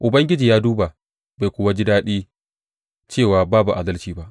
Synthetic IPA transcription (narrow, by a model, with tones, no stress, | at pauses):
ʔʊ˨bɐ˦ŋɡʲɪ˦d͡ʒiː˨jaː˦duː˦ba˨ | ba˨jkʷʊ˨˦wa˦d͡ʒɪ˦daː˦ɗiː˦ | t͡ʃeː˦˨waː˨baː˦bu˨ʔa˨dɐ˦lt͡ʃiː˨ba˦ʔ